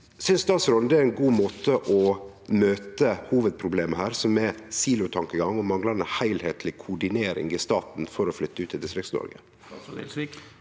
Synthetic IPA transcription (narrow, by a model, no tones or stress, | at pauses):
sʏnsd̪ɑːsɾɔnd̪ɛæɾɛnɡuːmoːt̪əʔɔ | møːt̪əhuːʋəd̪̚pʰɾʊbleːməhæːɾsɔmɛsiːlʊt̪ʰɑŋkəɡɑŋːɔmɑŋlɑɾnəhæɪlheːt̪ʰlɪkʰʊɖɪneːɾɪ̰ŋɪst̪ɑːt̪nfɔɾɔflʏt̪ːəʉːt̪ːɪld̪ɪst̪ɾɪksnɔ̰ɾɡə̰